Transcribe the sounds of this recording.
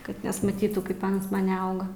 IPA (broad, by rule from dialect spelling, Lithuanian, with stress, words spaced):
ˈkɐt nʲɛsmɐˈtʲiːtuː ˈkɐɪp ˈɐns ˈmɐnʲ nʲɛˈɐʊɡɐ